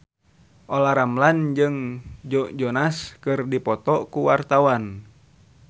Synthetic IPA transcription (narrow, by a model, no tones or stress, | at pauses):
ʔɔlaɾamland͡ʒɨŋd͡ʒɔʔd͡ʒɔnaskɨrdipɔt̪ɔkuwart̪awan